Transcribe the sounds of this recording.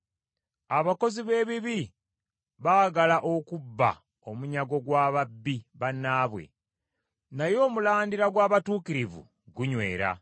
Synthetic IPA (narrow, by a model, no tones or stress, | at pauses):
aβako̞ziβe̞ːβiβi | βaːɡalaʔo̞kubːa̰ | o̞muɲaɡo̞ɡwaːβabːiβanːaːβwe̞̰ | najo̞ːmulaːndiɾaɡwaːβatuːkiɾivṵ | ɡuɲwe̞̰ːɾa̰